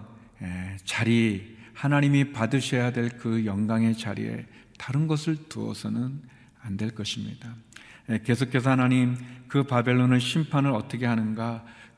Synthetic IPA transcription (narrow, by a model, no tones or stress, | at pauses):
et͡ɕaɾihanaɲimipadɯɕʰʌjadwe̞ɭkɯjʌŋɡaŋe̞t͡ɕaɾḭe̞̰ | taɾɯnɡʌsʰɯɭtuʌ̰sʰʌnɯn | andwe̞ɭk͈ʌɕʰimɲḭd̥ajeke̞sʰokʰːe̞s̬ʰʌhanaɲimkɯpabe̞ɭːonɯɕʰimpʰanɯɾʌt͈ʌkʰe̞ɦanɯnɡa